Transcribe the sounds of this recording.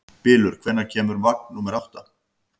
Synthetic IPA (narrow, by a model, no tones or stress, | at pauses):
pɪːlʏɾ̥kʰvɛnacʰɛːmʏɾmak̚nuːmɛɾawht̪a